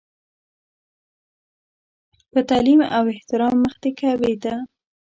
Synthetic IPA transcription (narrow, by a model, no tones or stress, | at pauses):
pət̪ɑlima̰wɪht̪ɪɾɑmːəxd̪ekawed̪a